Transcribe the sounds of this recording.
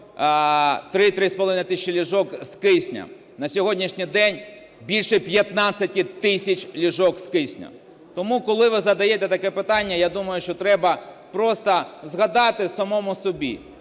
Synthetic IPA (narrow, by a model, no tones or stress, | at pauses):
t̪ɾɪt̪ɾɪspɔlˠʋɪnɪt̪ɪsʲɪt͡ʃɪlʲiʒɔkskɪsʲnʲɐ̰ | nɐsʲɔɦɔdʲnʲiʃnʲijd̪ɛnʲ | bʲilʲʃɛpʲjɐt̪nɑt͡sʲːɐtʲit̪ɪsʲɐt͡ʃʲlʲiʒɔkskɪsʲnʲɐ̰ | t̪ɔmukɔlˠɪʋɪzɐd̪ɐjɛt̪ɛt̪ɐkɛpɪt̪ɑnʲːɐjad̪umɐjʊʃt͡ʃɔt̪ɾɛbɐ | pɾɔst̪ɐzɣɐd̪ɑt̪ɪsɐmɔmʊsɔbʲḭ